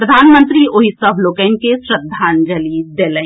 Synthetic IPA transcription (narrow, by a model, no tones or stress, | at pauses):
pɾəd̪ʱaːnmə̃nt̪ɾioɦisəbʱloːkɛnkesɾəd̪ʱːaːnd͡ʒəliːsd̪eːlɛ̃